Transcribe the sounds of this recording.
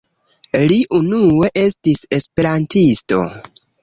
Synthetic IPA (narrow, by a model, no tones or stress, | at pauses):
liʔunue̞ʔe̞stise̞spe̞ɾantʰisto̞̰